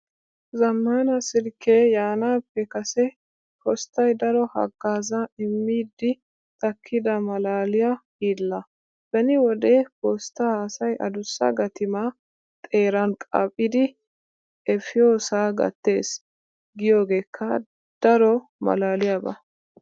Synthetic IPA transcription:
zɐmːɐnɐsɪɾkːejaːnaːpːɛkɐsɛ | hɔst̪ːɐjd̪ɐɾɔhɐ̰ɡːaːzɐɪmːiːd̪ɪ | t̪ɐkʰːɪd̪ɐmɐlaːlɪja | iːlːɐ | b̥ɛnɪwɔd̪ehɔst̪ːɐhaːsɐjʔɐ̰d̪ʊsːɐ̰ɡɐt̪ɪma | t̪ʼe̞ːɾɐnkʼɐ̰pʼːɪd̪ɪ | ɛfɪjo̞ːsaːɡɐ̰t̪ːe̞ːs | ɡɪjo̞ːɡe̞ːkʰːɐ | d̪̥ɐɾɔ | mɐ̰laːlɪjabɐ̰

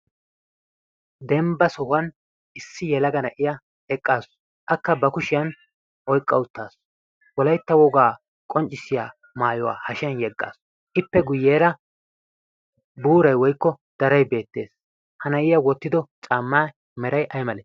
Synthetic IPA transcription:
d̪ɛmbɐsɔhʊɐn | ʔɪsːɪjɛlɐɡɐnɐʔɪjɐ | ɛkʼːaːs | ʔɐkːɐbɐkʊʃɪjɐn | ʔɔjkʼːɐwʊt̪ːaːs | wɔlɐjt̪ːɐwɔɡaː | kʼɔnt͡ʃʼːɪsːɪjaː | maːjɔwa̰ːhɐʃɪjɐnjɛɡːa̰ːs | ʔɪpːɛɡʊjːeːɾɐ | buːɾɐjwɔjkːɔ | d̪̥ɐɾɐjbe̞ːt̪ːe̞̰ːs | hɐnɐjɪjɐwɔt̪ːɪd̪ɔt͡ʃʼaːmːaː | mɛɾɐjʔɐjmɐleːs

